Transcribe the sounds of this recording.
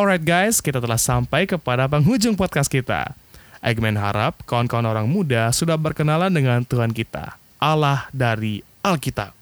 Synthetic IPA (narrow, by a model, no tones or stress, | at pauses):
ɔlɾajt̪̚ɡajskit̪at̪əlahsampajkəpadap̬əŋɦud͡ʒʊŋpɔt̪̚kast̪̚kit̪a̰ | ʔɛ̰ɡmɛnɦa̰ɾa̰p̚kaɔnkaɔnoɾaŋmudasudahbərkənalandəŋant̪uɦankit̪a̰ | ʔalahdaɾi | ʔalkit̪a̰p̚